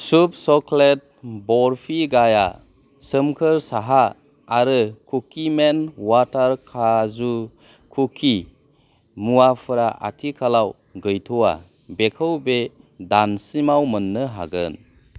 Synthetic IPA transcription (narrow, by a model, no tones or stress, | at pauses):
sup̚sɔklet̚bɔɾpʰiɡaja̰ | sɯmkʰɯɾsaɦaː | ɾɯkʰukʰimenwataɾkʰazu | kʰukʰi | muwapʰɯɾaʔa̰tʰikʰalaw | ɡɯjtʰuwa̰ | bekʰɯwbe | dansimawmɯnːɯɦa̰ɡɯ̰n